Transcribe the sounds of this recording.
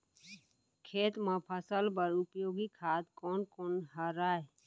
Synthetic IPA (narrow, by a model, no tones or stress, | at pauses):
kʰeːt̪mãpʰəsəlpəɾʊpjoːɡikʰaːt̪kɔːnkɔːnɦəɾaːe